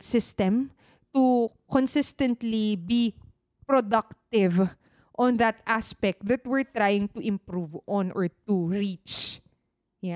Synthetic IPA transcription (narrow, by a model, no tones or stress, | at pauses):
sɪst̪ɛm | t̪u | kɔ̃nsɪst̪ɛ̃nt̪libi | pɹod̪ɐk̚t̪ɪv | ʔɔ̃nðɐt̪aspɛk̚t̪̚d̪ɐt̪̚wɪɹt̪ɾajɪ̃ŋt̪uʔɪ̃mpɾuvʔɔ̃nʔɔɹt̪uɹit͡ʃ | ja